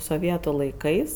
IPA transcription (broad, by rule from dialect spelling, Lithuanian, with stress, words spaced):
soːˈʋʲiɛtʊ lˠɐɪˈkɐɪs